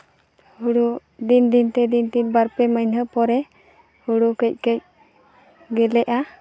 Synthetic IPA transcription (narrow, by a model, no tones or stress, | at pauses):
huɽu | d̪ind̪int̪ɛd̪ind̪inbaɾpɛməjnɦəpɔɾɛ | huɽukəc̚ˀkəc̚ | ɡɛlɛʔa